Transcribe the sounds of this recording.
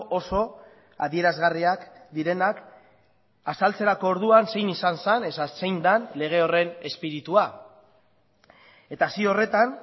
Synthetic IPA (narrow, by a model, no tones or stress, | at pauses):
ʔoso̞ | a̰ðie̞ɾazɣariakd̪iɾe̞nak | asalt͡se̞ɾako̞ːɾðuanse̞jnisansane̞sase̞jnd̪anle̞ɣ̞e̞o̞re̞ne̞spiɾit̪ua | e̞t̪asio̞re̞t̪an